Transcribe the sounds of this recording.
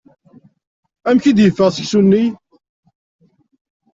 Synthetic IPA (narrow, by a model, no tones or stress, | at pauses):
æmçid̪jəfːəʁsəçsunːi